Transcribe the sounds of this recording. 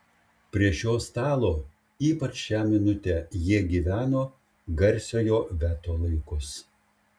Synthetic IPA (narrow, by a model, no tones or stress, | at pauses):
pʲɾʲiɛʃʲoːst̪ɑːlˠoː | iːpɐt͡ʃʃʲæːmʲɪnʊt̪ʲɛːjiɛɡʲiːʋʲæːnoː | ɡɐɾʲsʲoːjoːʋʲæːt̪oːlˠɐɪkʊs